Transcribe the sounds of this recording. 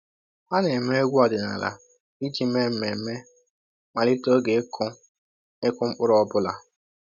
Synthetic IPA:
a˦ne˨me˦e˦ɡʷɔ˨dɪ˨na̰˨la̰˨ | i˦d͡ʒi˦me˦m̩˦me˨˦me˦ | ma˨lɪ˦to˦ɡe˨˦kʰʊ˦ | ɪ˦kʊ˦ŋ͡m̩˦k͡pʊ˦ɾɔ˦bʊ˦la̰˨

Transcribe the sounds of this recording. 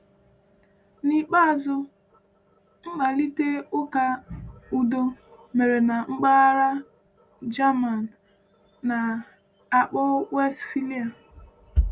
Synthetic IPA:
ni˦k͡pa˦a˨zʊ˦ | ŋ͡m̩˦k͡pa˨li˦te˦ʊ˦ka˦u˦do˦ | me˨ɾe˨na˨ŋ͡m̩˦k͡pa˦ɾa˦ | d͡ʒa˦ma˨n̩˨ | na˨ | a˨k͡pɔ˦we˦stfi˦li˦a˨

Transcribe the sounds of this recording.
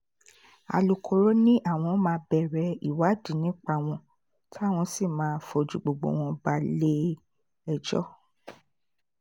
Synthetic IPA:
a̰˨lu˨kʰo˨ɾo˦nĩ˦ʔa˦˨w̃ɔ̃˧˦mãː˧˦bɛ˨ɾɛ˨˦i˨wa˨˦di˨˦nĩ˦k͡pa˧w̃ɔ̃˧ | tʰi˦a˦˨w̃ɔ̃˧si˦˨mãː˨˦fo˧d͡ʒu˨ɡ͡bo˨ɡ͡bo̰˨w̃ɔ̃˧ba˧˦le˦ | ɛ˨d͡ʒɔ̰˦

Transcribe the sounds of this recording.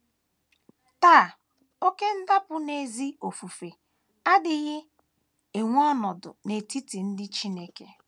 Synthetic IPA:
ta˦˨ | o˦ke˦n̩˦da˦pʊ˦ne˨zi˦o˨fu˨fe˨ | a˦dɪ˦ɣɪ˦ | e˨ŋʷ˦ɔ˦nɔ˨dʊ̰˨ne˨ti˦ti˨n̩˦dɪ˦t͡ʃi˦ne˦ke˨

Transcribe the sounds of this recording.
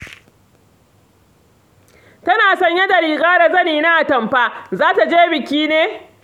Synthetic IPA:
tɐ˦naː˨sɐ˦ɲjɐ˦da˨ɾiː˨ɡaː˦ɽa˨zɐ˦niː˨na˦ʔa˨tɐ˨mɸaː˦zaː˦ta˨d͡ʒeː˦bɪ˨kʲiː˦neː˦

